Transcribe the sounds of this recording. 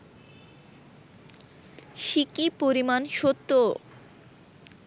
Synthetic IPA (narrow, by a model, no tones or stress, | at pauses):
ʃikipoɾimanʃot̪ːo